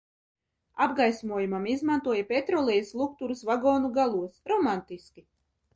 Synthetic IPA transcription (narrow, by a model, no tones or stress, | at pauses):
abɡajsmuɔjumamizmant̪uɔjapʲet̪ɾɔlˠɛjislˠukt̪uɾusvaɡɔːnuɡalˠuɔsɾɔmant̪iskʲi